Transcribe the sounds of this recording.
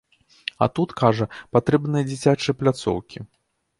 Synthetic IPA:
ɐ̰t̪ut̪kaʐɐpat̪ɾɛbnɨjɐd͡zʲit͡sʲat͡ʂɐjɐplʲat̪sɔ̰wkʲi

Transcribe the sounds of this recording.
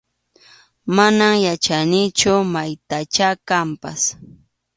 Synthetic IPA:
manamjat͡ʃanɪt͡ʃʊmajt̪at͡ʃakampas

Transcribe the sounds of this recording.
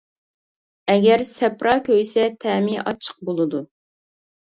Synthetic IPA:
ɛɡʲɛɾsɛpɾɑkʲøjsɛt̪ʰɛːmiɑt͡ʃʰə̥q̚bolˠɨd̪u

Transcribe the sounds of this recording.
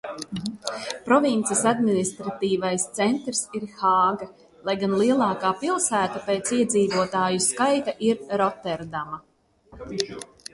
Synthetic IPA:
pɾɔvint̪sisad̪minist̪ɾat̪iːvajst̪sɛnt̪ɾsiɾxaːɡa | lˠajɡanlˠiɛlˠɑːkaːpilˠsæːt̪apeːt̪siɛd̪ziːvuɔt̪aːjuskajt̪aʔiɾɾɔt̪ɛɾd̪ama

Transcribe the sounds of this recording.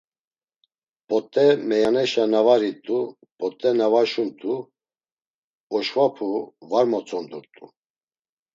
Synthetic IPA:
pʼɔt̪ʼːɛmɛjanɛʃanavaɾit̪ʼu | pʼɔt̪ʼːɛnavaʃunt̪ʼu | ɔʃvapʰuvaɾmɔt͡sʼɔnd̪uɾt̪ʼṵ

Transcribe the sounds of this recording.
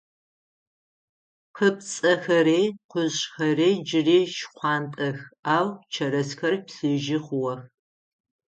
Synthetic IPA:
qəpt͡sʼɐxɐɾeːqʷʊɕxɐreːd͡ʒɪreːʃχʷɑːntʼɐxaːwt͡ʃʰɐɾɐsxɐrpsɨʒɪχʷʊwɐx

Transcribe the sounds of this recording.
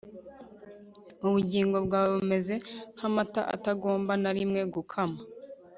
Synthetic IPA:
uβuɟiːŋɡo̞bɡwaːβume̞ze̞ŋhamata̰ʔa̰taɡo̞ːmbanaɾimŋe̞ɡukʰama

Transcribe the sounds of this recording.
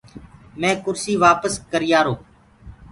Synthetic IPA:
mɛ̃ːkʊɾsiːʋaːpəskəɾɪjaːɾoː

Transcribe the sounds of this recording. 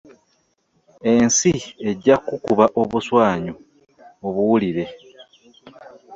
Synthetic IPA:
e̞nsie̞ɟːakukuβaʔo̞βuswaːɲu | oβuwuliɾe̞

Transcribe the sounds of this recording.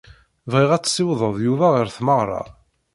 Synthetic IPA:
vʁiʁæt͡sːsiwðˤəðˤjuvæʁəɾθməʁɾˤɑ̰

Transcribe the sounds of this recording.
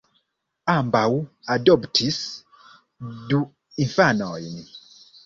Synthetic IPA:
ambawuadɔbtʰis | du | infanɔjni

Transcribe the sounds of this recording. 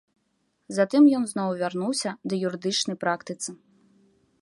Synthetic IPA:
zat̪ɨmjɔnznɔwvʲarnuwsʲɐd̪ɐjuɾɨd̪ɨt͡ʂnɐjpɾakt̪ɨt̪sɨ

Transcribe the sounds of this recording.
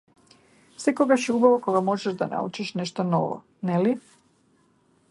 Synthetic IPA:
fsɛkoɡaʃɛubavɔkɔɡamɔʒɛʒd̪ana̰ṵt͡ʃiʃnɛʃt̪ɔnɔvɔ̰ | nɛli

